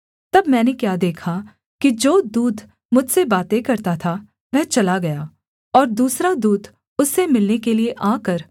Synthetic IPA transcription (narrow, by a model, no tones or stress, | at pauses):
t̪ɐbmɛ̃ːnekjaːd̪eːkʰa | kid͡ʒoːd̪uːd̪ʱ | mʊd͡ʒʱsebaːt̪ekɐɾt̪at̪ʰa | ʋɛɦt͡ʃɐlaɡɐjaː | ɔːɾd̪uːsɾad̪uːd̪ʱ | ʊsːemɪlnekelieʔaːkəɾ